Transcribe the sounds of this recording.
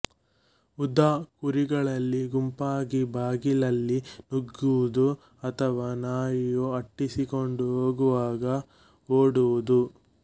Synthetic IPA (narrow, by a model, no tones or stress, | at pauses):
ud̪aːkuɾiɡɐɭɐlːiɡumpaːɡibʱaːɡilɐlːinuɡːuʋud̪u | ɐt̪ʰɐʋaːnaːjjuɐʈːisikoɳɖuɦoːɡuʋaːɡɐ | oːɽuʋud̪u